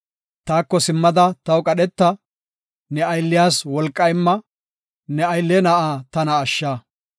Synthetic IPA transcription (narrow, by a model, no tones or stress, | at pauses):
t̪aːkːɔsɪmːɐd̪ɐt̪ɐwkʼɐɗɛt̪ːɐ | nɛɐjlːɪjaːswɔlkʼːɐjmːɐ | nɛɐjlːɛnɐʔaːt̪ɐnɐːʃːaː